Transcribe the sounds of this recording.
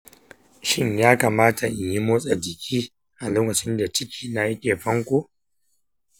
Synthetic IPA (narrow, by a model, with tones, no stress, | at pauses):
ʃɪ˦ɲjaː˦ka˨maː˦tʰa˨ʔɪ˨ɲji˦moː˦sʼɐ˨d͡ʒɪ˨kʲʰiː˦ | ʔa˨loː˦kɐ˨t͡ʃɪ˦nda˨t͡ʃɪ˦kʲʰiː˦na˨ɐ˦kʲʼeː˨ɸɐ˦ŋkʷo˦